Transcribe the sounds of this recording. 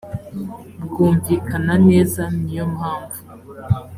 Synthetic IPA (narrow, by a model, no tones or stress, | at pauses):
bɡuːɱviːkanane̞ːzanijomhaːɱvu